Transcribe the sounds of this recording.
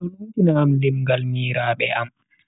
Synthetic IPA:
ɔlantinaːmlimɡalmiːɾaːɓɛʔa̰m

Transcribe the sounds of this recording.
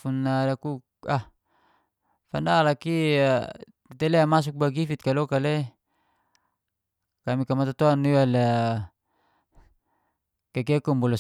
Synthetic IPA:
unːalaku | ah | fandalaki | t̪eleamas̬uk̚baɡifit̪̚kalokale | kamikamat̪at̪oaniwala | kekekɔmbɔlɔs

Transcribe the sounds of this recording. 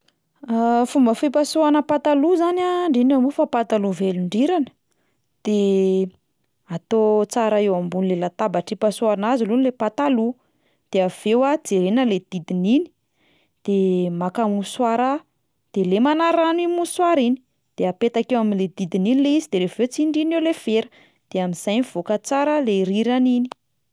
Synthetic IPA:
afumbəfipasuanəpat̪aluzanaɳɖ͡ʐinamufapat̪aluveluɳɖ͡ʐiɾanə̥ | d̪̥e | at̪ot͡saɾaewambunilelat̪abaʈ͡ʂipasuanazilunlepat̪alu | d̪̥eav̥ewad͡zeɾenəled̪̥id̪inini̥ | d̪̥emakamuswaɾa | d̪̥elemanaɾanimuswaɾini̥ | d̪̥eapet̪akewaminled̪id̪ininileizid̪̥eɾevet͡siɳɖ͡ʐinewlev̥eɾə̥ | d̪̥eamiz̥ajniv̥okət͡saɾəleɾiɾanini̥

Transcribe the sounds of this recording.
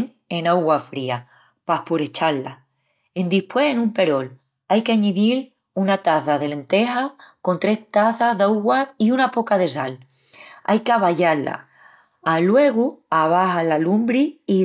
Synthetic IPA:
ŋ | e̞nawɣwafɾia | pahpuɾe̞t͡ʃalːa̰ | e̞nd̪ihpwe̞henũmpe̞ɾo̞l | ajkeaɲiðil | unat̪aθaðe̞le̞nt̪e̞hako̞nt̪ɾe̞ht̪aθaðawɣwaiunapo̞kaðe̞sal | a̰jkeaβaʎala̰ | alwe̞ɣuaβ̞ahalalumbɾiː

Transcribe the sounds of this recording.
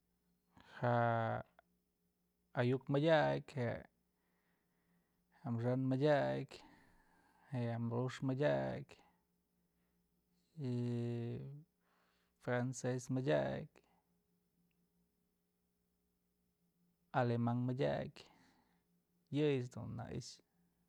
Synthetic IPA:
ha | ajukmajaʔkhe | hamʐanmajaʔk | heamɾuʂmajaʔk | fɾansesmadʲakʲ | alemaŋmɨdʲa̰k | jɨjsd̪ṵnːa̰ʔḭʃ

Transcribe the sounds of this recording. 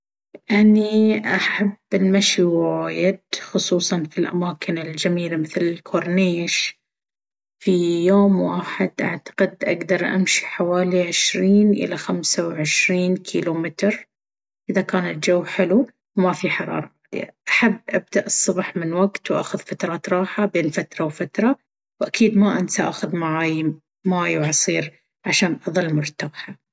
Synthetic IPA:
ʔaniʔaħabːɪlmaʃiwajɪd̪xʊsˤuːsˤɑnfilʔa̰maːkʰɪnɪld͡ʒamiːlamɪθlɪlkʰoɾˤneːʃ | fijoːmwaːħɪd̪ʔa̰ʕt̪ɑ̥qɪd̪ʔa̰ɡd̪ɑɾˤʔa̰mʃi̥ħawaːliʕɪʃɾiːnʔɪ̰laxamsawʕɪʃɾiːnkʰiːlumɪt̪ɾ | ʔɪðakaːnat̪̚d͡ʒawːħɪlu | wmafiħɑɾˤɑ̰ːɾˤɑʕaːd̪ɪ̰ja̰ʔaħabːʔab̚d̪aʔɨsˤːʊbħmɪnwaɡt̪wʔa̰ːxʊðfat̪ɾˤɑːt̪ɾˤɑːħabeːnfat̪ɾˤɑwfat̪ɾˤɑ | wʔakiːd̪maʔansaʔa̰ːxʊðmaʕaːj | maʕaːjwʕɑsˤiːɾ | ʕaʃaːnʔɑðˤɨlːmʊɾt̪aːħa

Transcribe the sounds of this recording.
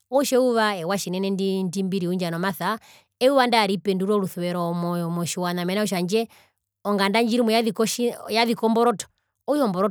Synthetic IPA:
ɔʃɛuʋaɛwaʃinɛnɛndindimbiɾiund͡ʒanɔmaθa | ɛuʋandaːɾipɛnduɾɔluθuwɛɾɔmɔmɔʃiwanamɛnauʃ̬and͡ʒɛ | ɔŋɡandaɲd͡ʒiɾimɔjaikɔʃjaðikɔmbɔɾɔtɔ̥ | ɔjɔmbɔɾɔ

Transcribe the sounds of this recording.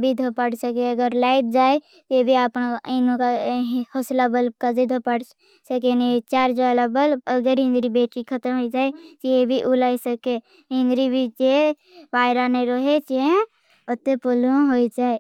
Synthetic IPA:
bʱid̪ʱopəɽsəkeəɡəɾlaɪt̪̚d͡ʒaːe | t̪ebʱiapninõkahoslabəlbkazid̪ʱopəɽ | səkenit͡ʃaːɾd͡ʒaːlabəlbəɡəɾɦɪ̃nd̪ɾibeːʈikʰət̪əmɦoːid͡ʒaːet̪ebʱiʔʊlaːisəke | ɦɪ̃nd̪ɾibʱit͡ʃe | ʋaːɪɾaneɾoɦet͡ʃie | ət̪epoluɦoid͡ʒaːe

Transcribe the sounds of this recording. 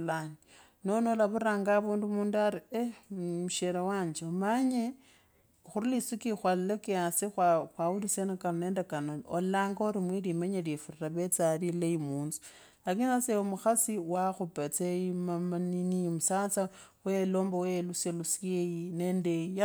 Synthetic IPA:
lani | nonolaβuɾaːŋɡaβuːndumuːndaɾiemuʃeɾawaːɲd͡ʒeomaɲe | xuɾilisukixwalilekeasexwaxwaulisenakanone̞ːndekanoolaːŋɡaoɾimwilimaɲeljefuriraβet͡salilejimuːnzu̥ | lakinaseomuxasiwaxupet͡seimamaninimusat͡sa | weloːmboweluselusiejineːndea

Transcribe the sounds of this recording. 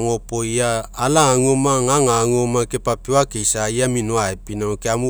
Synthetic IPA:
ŋopojaːlaŋomaŋaŋaŋomakepapeakejsajaminoaepinaokeamu

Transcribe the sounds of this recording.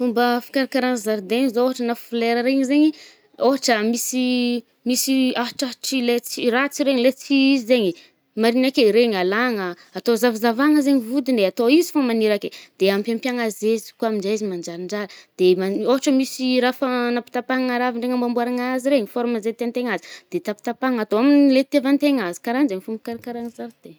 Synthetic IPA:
fumbəfḁkaɾakaɾanzaɾd̪eɲizooɦaʈ͡ʂənafuleɾəɾeɲizeɲi | oɦaʈ͡ʂəmisi | misiaɦaʈ͡ʂaʈ͡ʂilet͡sirat͡siɾeɲilet͡siizizeɲi | maɾinakeɾeɲalaŋə | at̪ozavizavaŋəzeɲivud̪ind̪eat̪oizifamaniɾaked̪̥eampʲampjaŋazezi̥kuaminzaizimand͡ʒaɾiɳɖ͡ʐaɾəd̪̥emaoɦaʈ͡ʂəmisiɾafanapi̥t̪apaŋŋaɾaviɳɖ͡ʐeŋambambuaɾaŋaziɾeɲifoɾuməzet̪eant̪eŋazid̪̥et̪api̥t̪apaŋat̪oaminlet̪evant̪eŋazi̥kaɾanzeŋifumbikaɾakaɾaŋzavid̪̥e

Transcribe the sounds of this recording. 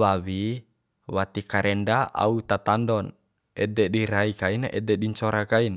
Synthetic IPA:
wawi | wat̪ikaɾʔɛndaʔa̰ut̪at̪andɔn | ɛd̪ɛdiɾaikaina̰ʔɛd̪ɛɗiɲt͡ʃɔɾakain

